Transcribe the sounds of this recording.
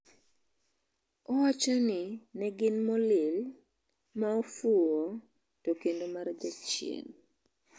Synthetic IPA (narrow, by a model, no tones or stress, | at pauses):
ɔwat͡ʃɔnɪnɛɡɪnmɔlɪl | maofuo | tokendomaɾd͡ʒat͡ʃjḛn